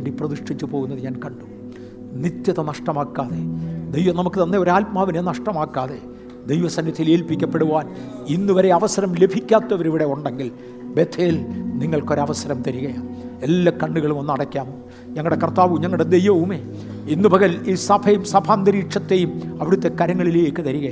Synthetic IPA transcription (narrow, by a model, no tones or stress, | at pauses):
eːɳɖiprɐd̪uʂʈʰit͡ɕːupo̞ːɣunːɐðɨɲaːnkɐɳɖum | nit̪jɐðɐnɐʂʈɐmaːkːaːðe̞d̪ejʋɐmnɐmukːɨt̪ɐnːeo̞ɾaːlpmaːʋinenɐʂʈɐmaːkːaːðe̞ | d̪ejʋɐsɐnjɐt̪ʰːijileːlpikʲːɐpːeɽuʋaːn | inːuʋɐɾe̞ɐʋɐsɐɾɐmle̞bʱikʲːaːt̪ːɐʋɐɾiʋiɽe̞uɳɖe̞ŋɡil | be̞t̪ʰeːlniŋːɐɭko̞ɾɐʋɐsɐɾɐmt̪ɐɾiɣɐjaːelːɐkɐɳɖuɣɐɭumonːɐɽɐkʲːaːmo | ɲɐŋːɐɽe̞kɐrt̪ːaːʋumɲɐŋːɐuɽed̪ejʋɐʋumeː | inːubʱɐɣɐliːsɐbʰʱɐjumsɐbʰʱaːnd̪ɐɾiːʈʂɐt̪ːe̞jumɐʋiɽut̪ːe̞kɐɾɐŋːɐɭileːkːɨt̪ɐɾiɣɐja